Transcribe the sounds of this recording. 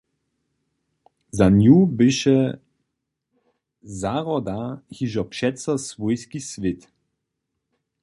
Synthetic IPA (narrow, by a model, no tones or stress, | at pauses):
zanjubɪʃɛ | zaʁɔd̪ahiʒɔpʃɛtsɐsvɔjskisvɪt̪